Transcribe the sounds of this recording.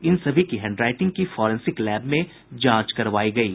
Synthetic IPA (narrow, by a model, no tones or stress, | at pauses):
ɪnsɐbʱikiɦɛ̃ːɳɖɾaːɪʈɪ̃ŋɡ̚kifɔːɾɛ̃nsɪklɛːbmẽ | d͡ʒãːt͡ʃkɐɾʋaːiɡɐiː